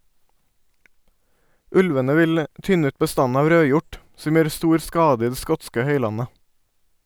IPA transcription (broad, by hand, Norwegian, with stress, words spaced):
ˈʉlʋənə ˈʋɪl ə ˈʔtʏnə ˈʉːt bəˈstɑn ˈɑːʋ ˈɾøːˌjʊʈ ˈsɔm ˈjøːɾ ˈstuːɾ ˈskɑːdə ˈiː ˈdeː ˈskɔtskə ˈhœʏˌlɑnə